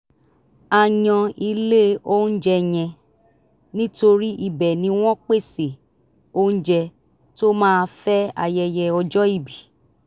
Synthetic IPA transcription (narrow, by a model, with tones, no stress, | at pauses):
a˧jɔ̃˧i˧le˦o˦n̩˦d͡ʒɛ˧j̃ɛ̃˧ | nĩ˦to˧ɾi˦ʔi˧bɛ˨nĩ˧˦w̃ɔ̃˦k͡pe˦˨se˨ | o˦n̩˦d͡ʒɛ˧ | to˦mãː˦˧fɛ˦a̰˧jɛ˧jɛ˧ɔ˧d͡ʒɔ˦i˦˨bi˨